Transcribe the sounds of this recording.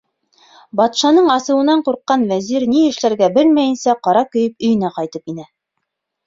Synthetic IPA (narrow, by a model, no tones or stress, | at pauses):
bɑt̪ʃɑnɤɴɑsɤ̆wɤ̆nɑɴquɾqːɑnvæziɾniɘ̆ʃlæɾɡæbɘlmæjɘ̆nsæqɑɾɑkɵ̆jɘp̚ɵ̆jɘ̆næqɑjt̪ɤpinæ